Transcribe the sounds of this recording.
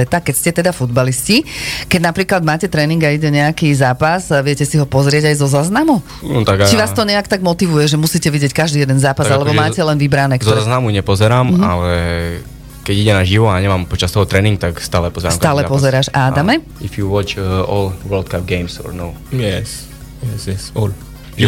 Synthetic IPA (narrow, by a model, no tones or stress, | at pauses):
ɛt̪akɛcscɛt̪ɛd̪afud̪baliscikɛɟnapɾiːklad̪maːcɛt̪ɾɛːniŋɡaiɟɛɲɛakizaːpazʋɪɛcɛsiɦɔpɔzɾɪɛɟajzɔzaːznamu | nut̪aɡt͡ʃiʋaːst̪ɔɲɛakt̪aɡmɔt̪iʋujɛʒɛmusiːcɛʋiɟɪjɛckaʒd̪iːjɛd̪ɛnzaːpazalɛbɔmaːcɛlɛnʋibɾanɛːkzɔzaznamuɲɛpɔzɛɾaːma̰lɛ | kɛɟiɟɛnaʒiʋɔaɲɛmampɔt͡ʃast̪ɔɦɔt̪ɾɛniŋɡ̚t̪akst̪aːlɛpɔzɛɾaːmk̪aːlɛpɔzɛɾaːʒaːd̪amɛ | ifjuwɔt͡ʃɔlˠwəld̪̚kap̚ɡɛɪmsɔ̰ɹnoʊjɛs | ɛsɛɔl | ʒ